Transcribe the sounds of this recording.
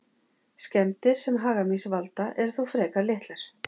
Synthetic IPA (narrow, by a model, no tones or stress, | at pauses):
scɛmt̪ɪɾ̥sɛmɦaːɣamisvalt̪aʔɛɾ̥θowfɾɛːkaɾlɪht̪laɾ̥